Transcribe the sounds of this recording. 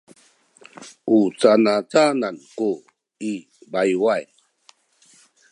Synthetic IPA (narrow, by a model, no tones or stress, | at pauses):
ut͡sanat͡sananku | i | bajwaj